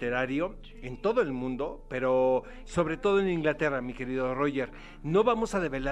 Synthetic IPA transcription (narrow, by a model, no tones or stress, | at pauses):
eɾaɾjo̞ | e̞nt̪o̞ðo̞e̞lmũnd̪o̞pe̞ɾo̞ | so̞βɾe̞t̪o̞ðo̞enĩŋɡlat̪e̞ramike̞ɾiðo̞roʝe̞ɾ | no̞βamo̞saðe̞βe̞la